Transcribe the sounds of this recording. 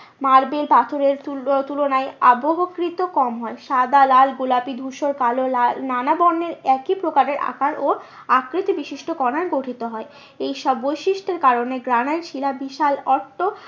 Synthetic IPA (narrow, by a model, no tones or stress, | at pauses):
maɾbelbʱat̪ʰoɾeɾt̪ulonaea̰boɦokɾit̪okɔmɦɔeʃad̪alalɡulapid̪ʱuʃoɾkalonanabɔnːeɾɛkipɾokaɾeɾa̰kaɾo | akɾit̪ibiʃiʃʈokɔnaɾɡoʈʰit̪oɦɔe | ejʃɔbːojʃiʃʈeɾkaɾoneɡɾanaeɾʃilabiʃalɔɾʈʰːo